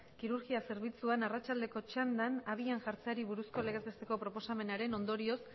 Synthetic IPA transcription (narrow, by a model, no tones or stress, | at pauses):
kiɾuɾɣiase̞ɾβit͡suanarat͡ʃald̪e̞ko̞t͡ʃand̪anaβ̞ianʝaɾt͡seaɾiβuɾusko̞le̞ɣ̞e̞zβe̞st̪e̞ko̞pɾo̞po̞same̞naɾe̞no̞nd̪o̞ɾio̞s